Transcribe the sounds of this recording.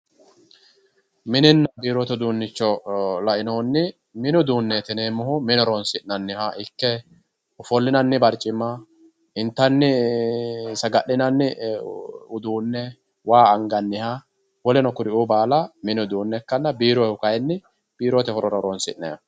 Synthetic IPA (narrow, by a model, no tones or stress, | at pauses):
mɪnɪnːɐbiːɾɔt̪ɛʊd̪uːnːɪt͡ʃːɔlɐʔɪnoːnːɪ | mɪnʊd̪uːnːɛt̪ɛneːmʊhʊmɪnɔɾɔnsɪʔnːɐnːɪhaʔɪkːɛ | ʊfɔlːɪnɐnːɪbɐɾt͡ʃʼːɪmːɐ | ɪnt̪ːɐnːɪ | sɐɡɐʔːɪnɐnːɪ | ʊd̪uːnːɛ | waːɐŋɡɐnːɪha | wɔlɛnɔkʊɾɪʔubaːlɐmɪnʊd̪uːnːɛkːɐnːɐbiːɾɔhʊkɐjɛnːɪ | b̥iːɾɔt̪ɛfɔɾɔɾɔɾɔnsɪ̰ʔːɛ̰j̰